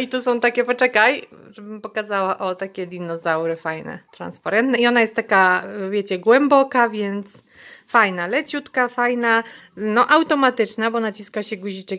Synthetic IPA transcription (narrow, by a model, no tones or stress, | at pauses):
it̪ɔsɔ̃w̃t̪akʲɛpɔt͡ʂɛkajʐɛbɘmpɔkazawaʔɔt̪akʲɛd̪ʲinɔzawɾɘfajnɛ̰t̪ɾa̰nspaɾɛnt̪nɛiɔnajɛst̪ːakavʲjɛt͡ɕɛɡwɛmbɔkavʲjɛnt̪s | fajnalɛt͡ɕut̪kafajnanɔʔawt̪ɔmat̪ɘt͡ʂnabɔnat͡ɕiskaɕɛɡuʑit͡ʂɛk